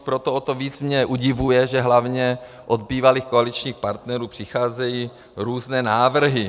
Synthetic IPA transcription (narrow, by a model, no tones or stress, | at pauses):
pɾot̪oot̪oviːt͡smɲɛʔuɟɪvujɛʒɛɦlavɲɛ | ʔod̪̚biːvaliːxkoalit͡ʃɲiːxpaɾt̪nɛɾuːpr̥ɪxaːzɛjiː | ɾuːznɛːnaːvr̩ɦɪ